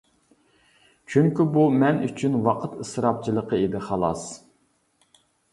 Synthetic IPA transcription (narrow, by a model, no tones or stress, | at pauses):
t͡ʃʰyŋkʲybumɛny̰t͡ʃʰynwɑqʰət̪ɨsɾɑp̚t͡ʃʰilˠəqəed̪ɪχɑlˠɑs